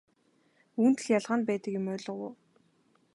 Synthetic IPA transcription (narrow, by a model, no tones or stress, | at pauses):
uːnt̪ɘ̆ɮjaɮʁaːnpæːt̪ə̆kjʊmœːɮə̆ʁʊ̰ː